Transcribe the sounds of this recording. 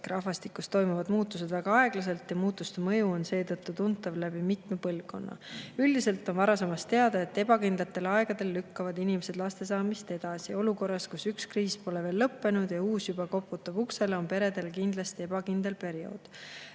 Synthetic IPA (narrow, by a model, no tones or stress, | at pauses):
rɑɦvɑst̪ikːust̪ːo̞jmuvɑd̪muːt̪ːˑus̬e̞d̪væɡ̥ɑɑe̞ɡ̥lɑs̬e̞lt̪jɑmuːt̪ːˑust̪emɤ̞juo̞nse̞ːt̪ɤt̪ːˑut̪unt̪ːˑɑvlæb̥imit̪mepɤlvko̞̰nːɑ̰yld̪̥ise̞lt̪ːˑo̞nvɑɾɑse̞mɑst̪ːe̞ɑd̪ɑe̞t̪ːe̞b̥ɑkind̪lɑt̪ːˑe̞lɑe̞ɡ̥ɑd̪e̞lːykːɑvɑd̪inimese̞d̪̥lɑst̪e̞sɑːmist̪e̞d̪̥ɑsio̞luko̞rːɑskusykskriːspo̞le̞ve̞ːlːɤpːe̞nud̪̥jɑuːsjubɑko̞pːut̪ˑːɑbukseleo̞npe̞ɾe̞d̪̥e̞lkind̪̥lɑst̪ie̞b̥ɑkind̪̥e̞lpe̞ɾio̞̰ːd̪̥